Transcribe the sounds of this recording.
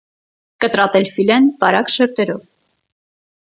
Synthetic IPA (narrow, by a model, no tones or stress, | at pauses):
kət̪ɾɑt̪ɛlfilɛnpɑɾɑkʃəɾt̪ɛɾɔv